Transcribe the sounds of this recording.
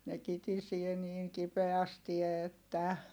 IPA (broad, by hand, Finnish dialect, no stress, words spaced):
ne kitisie niːŋ kipeæsti etːæ